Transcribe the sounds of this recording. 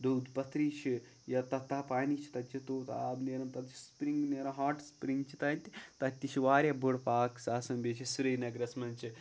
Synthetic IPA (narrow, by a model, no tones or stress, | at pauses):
d̪owd̪pɐt̪ɾiːʃi | jɐt̪ɐt̪ːaːpaːnit͡ʃʰi̥t̪ɐt̪t͡ʃit̪oːt̪a̰ːbneːɾɐmt̪ɐt̪t͡ʃi̥spɾiŋɡneːɾɐmɦaːʈspɾiŋɡt͡ʃʰit̪ɐnʲt̪ʲit̪ɐt̪ʲːiʃiʋaːɾʲjɐbuɽpaːksaːsɐmbʲet͡ʃʰisuɾɐjnɐɡɾɐsmɐnʲt͡ʃi